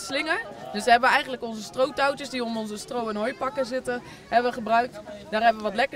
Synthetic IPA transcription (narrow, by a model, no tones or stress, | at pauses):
slɪŋəɹd̥øsʋəɦɛbəʋəɛjχəntləkɔnzəstrowtawtəsdiɔmɔnzəstrowənɦojpɑkəzɪtə | ɦɛbəʋəχəbrœɥk̚tdaːrɦɛbəʋəʋɔtlɛkə